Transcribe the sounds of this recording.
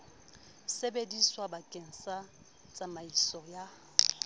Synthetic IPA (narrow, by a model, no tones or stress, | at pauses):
sebediswabakʼen̩sa | t͡sʼamaisɔja